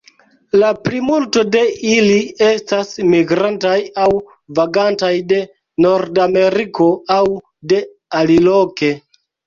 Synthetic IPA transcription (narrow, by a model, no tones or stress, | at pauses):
laplimulto̞de̞ilie̞stasmiɡɾantajaw | vaɡantajde̞ | no̞ɾdame̞ɾikʰo̞aw | de̞ | aliloke̞